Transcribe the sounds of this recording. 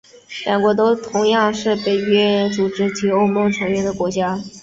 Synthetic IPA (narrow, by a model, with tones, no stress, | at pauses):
ljɑ˨˩ŋkwɔ˧˥t̪o˥ʊt̪ʰʊ˧˥ŋjɑ˥˧ŋʂɻ̩˥˩pe˨˩ɪɥɛ˥t͡su˨˩ʈ͡ʂɻ̩˥t͡ɕʰi˧˥o˥ʊmo˧˥ʈ͡ʂʰɤ˧˥ŋɥɛ˥nd̪ə˨˩kwɔ˧˥t͡ɕja˥